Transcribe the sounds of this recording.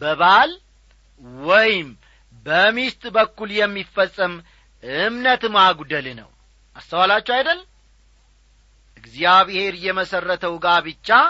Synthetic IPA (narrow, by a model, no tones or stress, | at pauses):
bəβal | wɔjɪm | bəmist̪ʼbəkːuljɛmːifːəsʼːəm | ʔɨmnət̪maɡʷud̪əlnə̰w | ʔast̪ʰəwalat͡ʃːɛwajd̪əlːm | ʔɨɡzijaβhe̞ɾjɛməsərːət̪ʰəwɡaβɨt͡ʃːa